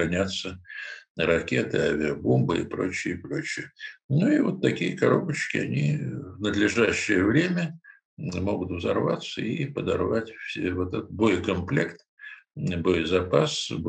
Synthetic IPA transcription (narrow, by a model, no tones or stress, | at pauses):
ɐnʲat̪sːə | ɾɐkʲe̞t̪ɨavʲɪɐbombɨɪ̰pɾo̞̰t͡ɕːɪɪpɾo̞t͡ɕːɪjənuivo̞t̪ːɐkʲijəkɐɾo̞̰bət͡ɕkʲɪɐ̰nʲivnəd̪lʲɪʐaɕːɪjəvɾʲemʲə | mo̞ɡʊt̪vzɐrvat̪səipəd̪ɐrvatʲfsʲevot̪ɛt̪t̪bo̞jkɐmplʲe̞kt̪ | bo̞jzɐpasb